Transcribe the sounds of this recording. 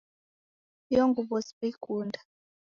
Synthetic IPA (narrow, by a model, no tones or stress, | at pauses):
jɔŋɡuɓɔsi̥ɓekuːnda